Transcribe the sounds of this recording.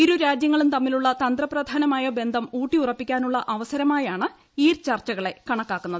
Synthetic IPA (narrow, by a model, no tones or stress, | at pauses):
iɾuɾaːd͡ʑjɐŋːɐɭumt̪ɐmːiluɭːɐt̪ɐnd̪rɐprɐd̪ʱaːnɐmaːjɐbe̞nd̪ʱɐmuːʈːiurɐpːikʲːaːnuɭːɐʔɐʋɐsɐɾɐmaːjaːɳɨ | iːrt͡ɕɐrt͡ɕːɐɣɐɭe̞kɐɳɐkːaːkːunːɐðɨ